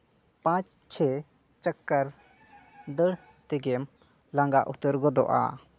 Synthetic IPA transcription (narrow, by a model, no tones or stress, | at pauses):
pãt͡ʃ | t͡ʃʰɛ | t͡ʃəkːəɾ | d̪əɽ | t̪ɛɡɛm | laŋɡaʔut̪əɾɡɔd̪ɔ̰ʔa̰